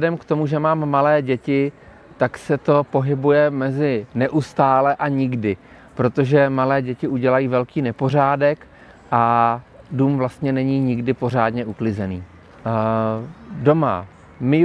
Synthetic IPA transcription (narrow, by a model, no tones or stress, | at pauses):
ɛdɛmkt̪o̞muʒɛmaːmːalɛːɟɛcɪ | t̪aksɛt̪o̞po̞ɦɪbujɛmɛzɪnɛʔust̪aːlɛʔaɲɪɡdɪ | pɾo̞t̪o̞ʒɛmalɛːɟɛcɪʔuɟɛlajiːvɛlkiːnɛpo̞r̝aːdɛk | ʔa | duːmvlast̪ɲɛnɛɲiːɲɪɡdɪpo̞r̝aːdɲɛʔuklɪzɛniː | do̞ma̰ | mɪ